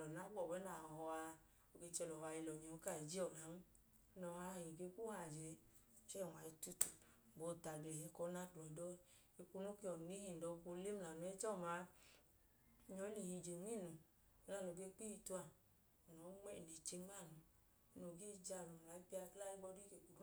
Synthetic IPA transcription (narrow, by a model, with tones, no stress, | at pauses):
lɔ˨na˨˦ɡ͡bɔ˦˨wɛ˨˦na˨hɔ˧a˧ | o˨ɡe˧t͡ʃɛ˧lɔ˨˧a˧i˧lɔ˨ɲɔ˨˦ka˦˨i˨d͡ʒi˦ɔ˨na˨˦n˦ | nɔ˨a˧˦˧jĩ˨ɡe˧˦ku˦ha˨d͡ʒe˨˦ | t͡ʃɛ˦˨wa˨i˧tu˧tu˨ | ɡ͡bo˧ta˨ɡe˨hɛ˧kɔ˧˦na˦du˨ɔ˨dɔ˦ | e˧ku˧nu˦ki˧ɔ˨ni˨˦hi˧˨n˨dɔ˧u˧ko˧˦le˦m˦la˨nu˧˦ɛ˧˦t͡ʃɔ˦˨ma˨˧˦ | ɲɔ˧˦li˨hĩ˧d͡ʒe˨ni˦˨nu˨ | i˧˦la˦˨no˨ɡe˧˦k͡pi˦i˧˨tu˧a˨ | ɔ˨nɔ˨˦ŋ͡mɛ˦˨ne˨t͡ʃe˧˦ma˦˨nu˧˦ | no˨ɡe˦d͡ʒa˧˨lu˨la˨˦i˦pi˦˧a˧˦kla˦i˦ɡ͡bɔ˧˦di˦ke˨ku˨˦